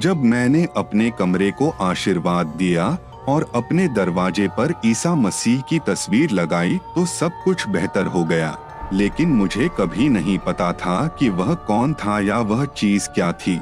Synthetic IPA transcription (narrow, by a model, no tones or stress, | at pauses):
d͡ʒɐbmɛ̃ːneʔɐpnekɐmɾekoʔaːʃiɾʋaːd̪̚ːija | ɔːɾɐpned̪ɐɾʋaːd͡ʒepɐɾiːsamɐsiːɦkit̪ɐsʋiːɾlɐɡaːit̪osɐb̚kʊt͡ʃʰbɛɦt̪əɾɦoɡɐja̰ː | leːkɪnmʊd͡ʒʱekɐbʱinɐɦĩpɐt̪at̪ʰakiʋɐɦkɔːnt̪ʰajaʋɐɦt͡ʃiːzkjaːt̪ʰiː